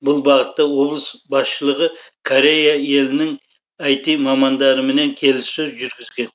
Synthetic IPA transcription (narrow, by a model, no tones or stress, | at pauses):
bʊlˠbɑʁət̪ːɑwo̞blˠəsbɑsʃəlˠəʁə | kʰoɾe̞jae̞lɪnɪŋ | ɑjt̪ijmɑmɑnd̪ɑɾəme̞ne̞ŋkʲʰe̞lɪsːøzʒʏɾɡʲɪzɡʲe̞n